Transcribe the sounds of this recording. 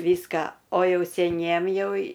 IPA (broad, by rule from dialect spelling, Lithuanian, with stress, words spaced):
ˈʋʲiːskɑː oː ˈjɛʊ sʲɛˈnʲiɛm ˈjɛʊ